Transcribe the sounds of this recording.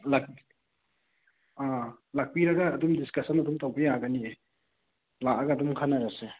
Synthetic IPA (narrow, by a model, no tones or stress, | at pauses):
lak̚ | alak̚piɾɐɡɐːdumdiskɐsɐnɐdumtawbejaɡɐnie | laʔaɡɐdumkʰanaɾase